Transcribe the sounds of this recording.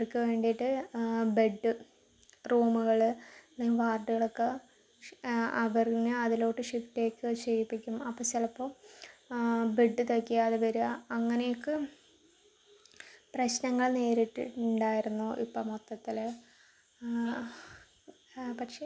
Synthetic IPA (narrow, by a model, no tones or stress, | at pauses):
ɭkːɨʋe̞ːɳɖiʈːɨbeɖːɨ | ruːmuɣɐɭɨniːʋaːrɖɨɣɐɭokːe | ɐʋɐrinɨɐðilo̞ːʈːɨʂifteːkːɨɕeripːikʲːumɐpːɐsilɐpːoː | beɖːɨt̪ɐkːijaːðeʋɐɾuɐŋːɐnejokːɨ | prɐɕnɐŋːɐɭneːɾiʈːɳɖaːjiɾunːuʔipːɐmot̪ːɐt̪ːil | pɐʈʂe